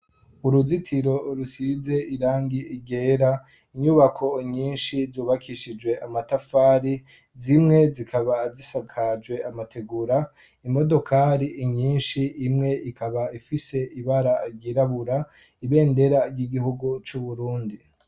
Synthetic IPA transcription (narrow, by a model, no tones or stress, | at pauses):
uɾuzitʰiɾo̞ɾusize̞iɾaːŋɡiiɡe̞ːɾa | iɲuβakʰo̞ɲiːnʃizuːβakʰiʃid͡ʒɡwe̞ʔamatafaːɾi | zimŋe̞zikʰaβazisakʰad͡ʒɡwe̞amatʰe̞ɡuɾa | imo̞do̞kʰaɾiʔːɲiːnʃiimŋe̞ikʰaβaifise̞iβaɾaɾɟiɾaβuɾa | iβe̞ːnde̞ɾaɾɟiɡihuɡut͡ʃuβuɾuːndi